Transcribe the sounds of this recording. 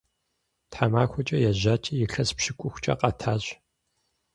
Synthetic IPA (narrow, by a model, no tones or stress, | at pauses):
tħamaːxʷɔt͡ʃʼɐjɛʑaːt͡ʃʼɐjɪɬɐspʃɪkʷʼʊxʷt͡ʃʼɐ̰qʼɐtʰaːʑ